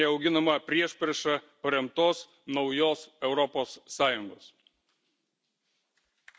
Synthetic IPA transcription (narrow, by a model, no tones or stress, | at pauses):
ɛɐʊɡʲɪnɐmɐpʲɾʲiɛʃʲpʲɾʲɛʃɐ | pɐɾʲɛmt̪oːs | nɒʊjoːsɛʊɾɔpoːsːɑːjʊŋɡoːs